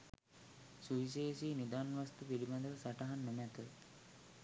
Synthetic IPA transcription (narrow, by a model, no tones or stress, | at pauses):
suis̬eːsiːnid̪aːnʋast̪upilimad̪əʋəsaʈaɦanːumæt̪ə